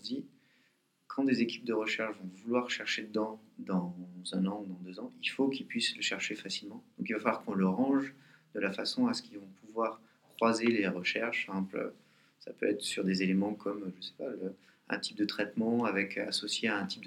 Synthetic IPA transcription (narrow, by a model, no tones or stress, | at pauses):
d̪i | kʰɑ̃d̪ezekʲi̥p̚d̪əʁəʃɛʁʃvɔ̃vulwaʁʃɛʁʃed̪əd̪ɑ̃d̪ɑ̃zɛ̃nɑ̃ud̪ɑ̃d̪øzɑ̃ilfokilpɥisləʃɛʁʃefasilmɑ̃d̪̥ɔ̃kilvafalwaʁkɔ̃ləʁɑ̃ʒd̪əlafasɔ̃asə̥kʲilvɔ̃puvwaʁ | kχwazeleʁəʃɛʁʃplø̰ | sa̰pøɛt̪χsyʁd̪ezelemɑ̃kʰɔmʒəsɛ̥paø | ɛ̰̃t̪i̥p̚d̪ət̪χɛt̪mɑ̃avɛkʰasɔsjeaɛ̃t̪i̥p̚d̪